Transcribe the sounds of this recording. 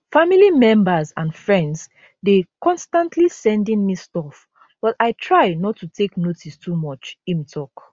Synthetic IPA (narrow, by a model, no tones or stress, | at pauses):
familimɛ̃mbəzãnfɹɛ̃ndz | dekɔ̃nstãntʰlisɛ̃ndĩnmistɔf | b̥ɔtaɪtʰɹajnɔtʰːutʰeknotʰistʰumɔt͡ʃĩmtʰɔk